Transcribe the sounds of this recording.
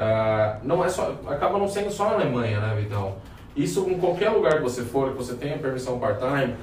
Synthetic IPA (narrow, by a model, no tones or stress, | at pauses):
anɐ̃w̃ɛsɔakabɐnɐ̃w̃sẽnd̪ʊsɔalemɐ̃j̃ɐnɛvit̪ãw | isʊĩkwawkɛɾluɡaɾkɪvosefoɾkɪvoset̪ẽj̃ɐpeɾmisɐ̃w̃paɾt̪ajɐ